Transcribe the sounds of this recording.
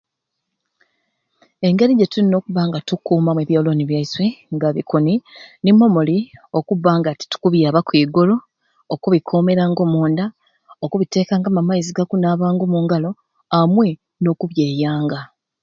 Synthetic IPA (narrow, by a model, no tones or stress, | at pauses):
e̞ŋɡe̞ɾiɟetulino̞ːkuβaŋɡatukːuːmamweβjoːlo̞niβjaisweŋɡaβikoninimo̞molio̞kuβaːŋɡati̥tu̥kuβjaːβakwiːɡoloː | kuβikʰo̞me̞ɾaŋɡomoːnda | okuβite̞ːkaːŋɡamamaiziɡakunaːβaːŋɡomuːŋɡalo̞ | amwe̞ | no̞ːkuβje̞ːjaːŋɡa